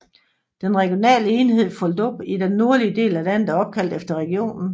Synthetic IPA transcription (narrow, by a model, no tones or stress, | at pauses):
d̥enʁɛɡ̥ijo̝nɛ̰ːləe̝ːnhe̝ð̞̰ˠfɔld̥ɔb̥id̥enːo̝ɐliəde̝̰ːlælæn̰d̥æɒ̽b̥̚kʰæl̰d̥efd̥ɐʁɛɡ̥io̝̰ːnn̩